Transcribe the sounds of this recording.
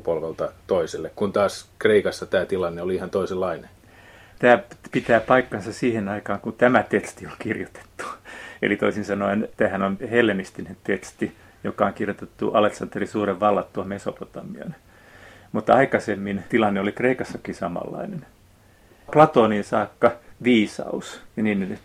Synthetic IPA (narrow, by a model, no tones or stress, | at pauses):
polʋelt̪ɑt̪oiselːekkunt̪ɑːskreikɑsːɑt̪æːt̪ilɑnːeoliihɑnt̪oiselːɑine | t̪æːpit̪æːpɑikːɑnsɑssiːhenɑikɑːŋkunt̪æmæt̪et̪st̪iolkirjot̪e̥t̪ːu̥ḛlit̪oisinsɑnoint̪æːhænonhelːenist̪inent̪et̪st̪i | jokɑoŋkirjot̪et̪ːṵʔɑleksɑnt̪ːerisuːreʋʋɑlːɑt̪t̪uɑmeso̰pot̪ɑmiɑ̰n | mut̪ːɑikɑsemːint̪ilɑnːeolikreikɑsːɑkisɑmɑ̰lːɑ̰inen | plɑt̪oːninsɑːkːɑʋiːsɑ̰usnin